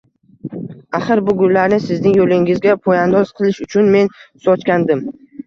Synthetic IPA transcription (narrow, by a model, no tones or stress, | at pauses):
aχɨɾbʊɡʊlːaɾnɪsɪznɪŋjolɪŋɪzɡʲapʰojand̪ɒz̥qʰɨlˠɪʃʊt͡ʃʰʊnme̞nsɒt͡ʃkʲand̪ɪm